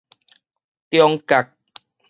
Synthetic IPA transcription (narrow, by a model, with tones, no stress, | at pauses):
t̪jɔ˧ŋka˨˩k̚